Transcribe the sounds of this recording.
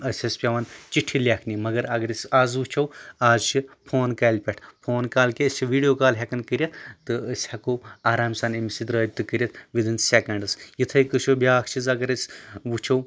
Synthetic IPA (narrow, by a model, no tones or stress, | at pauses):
ɐsʲɐsʲpʲaʋɐnt͡ʃiʈʰːilʲaːkʰnʲimɐɡɐɾɐɡɐɾɐsʲaːzʋut͡ʃʰɐwaːzt͡ʃʰipʰoːnkɐːlʲpʲeʈʰpʰoːnkaːlkesʲʰiʋiːɖijoːkaːlɦʲekɐnkɨɾʲjɐt̪t̪ːɨəsʲhɐkoaːɾaːmsaːnimisid̪ɾɐːt̪ɨkɨɾʲjɐt̪ʰʋid̪ɨnsekɐɳɖɨsjit̪ʰɐjkɨʃʰobʲaːkʰt͡ʃʰizɐɡɐɾɐsʲʋut͡ʃʰɐw